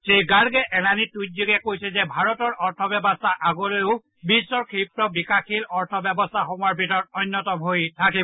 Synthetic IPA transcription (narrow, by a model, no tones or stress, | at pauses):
seɡaɹɡɛʔɛnanitujt̚ziɡɛkojsɛzɛbʱaɹɔtɔɹɔɹtʰɔbɛbɔstʰaʔaɡɔlojʊ | bisːɔɹkʰipɹɔbikaxilɔɹtʰɔbjɛbɔstʰaxɔmuaɹbʱitɔɹɔt̚ɔjnːɔtɔmɦojtʰakibɔ